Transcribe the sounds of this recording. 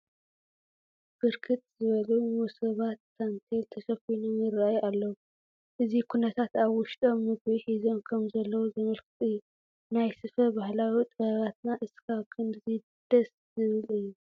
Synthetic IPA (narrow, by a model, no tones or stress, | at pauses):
b̥ɨɾkʰɨt̪ʼzɨβɐlumusɐβat̪ːant̪ʰelt̪ʰɐʃɐfinomjɪɾajalːɐwu | ʔɨzikʰunɐt̪ʰat̪aβwʊʃt̪ʼo̞mːɨɡβiħizo̞nkʰɐmzɐlːɐwuzɨmɐlkʰɨt̪ʼɨjːu | najsɨfɐbahlawit̪ʼɐβat̪naʔɨskʰaβkʰɐmzi | d̪̥ɐs | zɨβɨlɨjːu